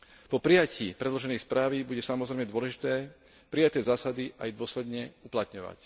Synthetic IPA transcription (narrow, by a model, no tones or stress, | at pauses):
pɔpɾijaciːpɾɛd̪lɔʒɛnɛjspɾaːʋibuɟɛsamɔzɾɛɪmɛd̪ʊɔlɛʒit̪ɛː | pɾijat̪ɛːzaːsad̪iʔajd̪ʊɔslɛd̪ɲɛuplat̪ɲɔʋa̰c